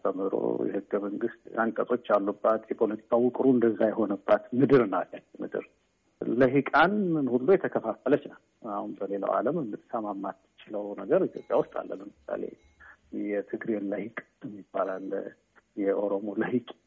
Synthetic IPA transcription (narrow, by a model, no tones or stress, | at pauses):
tʰəmɨd̪ɾo̰jɛ̰hɨɡːəməŋɡɨst̪aŋkʼət̪ʼo̞t͡ʃːalːubːat̪jɛpʰo̞lət̪ʰi̥kʼʰawʊkʼɾuɨnd̪əzːajɛɦo̞nəbːat̪mɨd̪ɨɾnalːamɨ̰d̪ɨ̰ɾ | ləɦikʼanmɨnhulːujɛt̪ʰəkʰəfafːələt͡ʃnə | ahunbəle̞lə̰wʔa̰ləmɨsəmamːat̪ːt͡ʃɪləwnəɡəɾit̪jo̞pʼja̰wʊst̪ʼa̰lːə̰lbəmɨsːa̰le̞̰ | jɛt̪ʰɨɡɾeləhikʼ | ɛmːibːalal | jɛʔo̞ɾo̞mo̞ləhikʼ